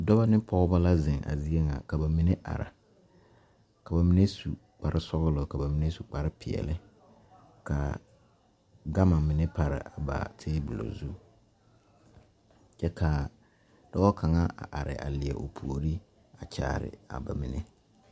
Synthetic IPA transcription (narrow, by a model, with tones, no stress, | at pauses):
dɔ˦ba˦nɪ˦pʰɔ˦ʊ˦ba˦la˦zɪ˨ŋa̰˨zi˦e˦ŋa̰˨ka˨ba˨mi˨ne˦ʔa̰˨ɾa̰˨ | ka˨ba˨mi˦ne˦su˨ | k͡pa˨ɾɪ˦sɔ˦ɣʊ˦lʊ˨ka˨ba˨mi˨ne˦su˨k͡pa˨ɾɪ˦pʰɪ˨ɛ̰˨lɪ˦ | ka̰˨ | ɡa˦ma˨mɪ˨nɛ˦pa˨ɾɪ̰˨ʔa˨ba̰˨tʰeː˦bu˨lo̰˨zu˦ | t͡ʃɛ˦kʰa˨ | d̥ɔ˦ɔ˦kʰa˨ŋa˦a̰˨ʔa˨ɾɪ̰˨ʔa̰˨lɪ˨ɛ̰˨ʔo˨pʰu˨o˨ɾi˦ | a˨t͡ʃa̰ː˨ɾɪ̰˨a̰˨ba˨mi˨ne˦